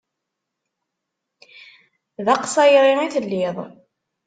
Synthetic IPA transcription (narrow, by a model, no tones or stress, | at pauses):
ðɑqsˤɑjɾˤiiθəlːiðˤ